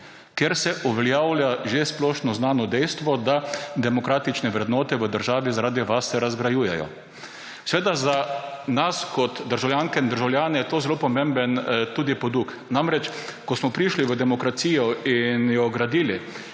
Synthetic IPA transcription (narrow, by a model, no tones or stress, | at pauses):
kjeɾsɛʔuʋɛljawlʲjaʒesplɔːʃnɔznaːnɔd̪ɛjst̪ʋɔd̪ad̪ɛmɔkɾaːt̪it͡ʃnɛʋɾɛd̪nɔːt̪ɛʋəd̪əɾʒaːʋizaɾaːd̪iʋasːɛɾazɡɾajuːjɛjɔ̰ | sʋeːd̪azanaskɔt̪d̪əɾʒawljaːŋkɛind̪əɾʒawlʲjaːnɛjɛt̪oːzɛlopɔmẽmbənt̪uːd̪ipɔd̪uk | namɾɛt͡ʃkɔsmɔpɾiʃliʋəd̪ɛmɔkɾasiːjɔinjɔɡɾad̪iːli